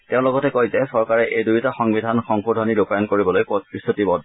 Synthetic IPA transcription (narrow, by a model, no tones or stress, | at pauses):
teʊ̃lɔɡɔtɛkojzɛsɔɹkaɹɛʔejdujtaxɔŋbidʱanxɔŋkudʱɔniɹupajɔnkoɹibɔlojpɔtɹist̪ʰutibɔd